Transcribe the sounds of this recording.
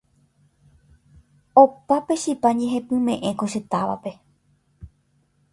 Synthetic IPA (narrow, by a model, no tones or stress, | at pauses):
opape̞ʃipaɲeɦepɨ̃mẽ̞ʔẽ̞ko̞ʃe̞t̪aʋa̰pe̞